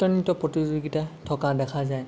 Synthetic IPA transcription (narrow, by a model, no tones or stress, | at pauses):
tɔnitɔpɹɔtizoɡitatʰɔkadɛkʰazaj